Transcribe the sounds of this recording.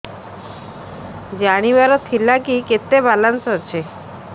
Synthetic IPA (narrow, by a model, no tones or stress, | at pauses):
d͡ʑaɽ̃iʋaɾɔt̪ʰilakiket̪ːebalansɔɦɔt͡ɕʰe